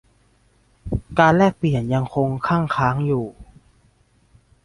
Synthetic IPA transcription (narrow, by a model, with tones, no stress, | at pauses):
kaː˧nlɛː˥˩k̚pli˨˩ənja˧ŋkʰo˧ŋkʰa˥˩ŋkʰaː˦˥ŋjuː˨˩